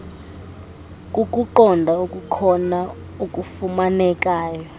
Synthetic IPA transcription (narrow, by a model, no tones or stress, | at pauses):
k̬ʼuk̬ʼuǃɔndʱaukʼukʰɔna | ukʼufumanɛk̬ʼaːjɔ